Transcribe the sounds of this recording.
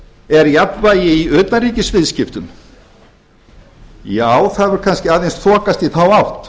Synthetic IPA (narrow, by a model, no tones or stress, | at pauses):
ɛɾjapvaːjɪiœːt̪naɾiːcɪsvɪðscɪft̪ʏm | jaːwθaðvʏɾ̥kʰanscɪaːðejnsθʰɔːkast̪iθawawht̪